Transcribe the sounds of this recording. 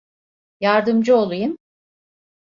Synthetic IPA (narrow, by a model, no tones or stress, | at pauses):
jaɾd̪ɯmd͡ʒɯo̞lˠujɯm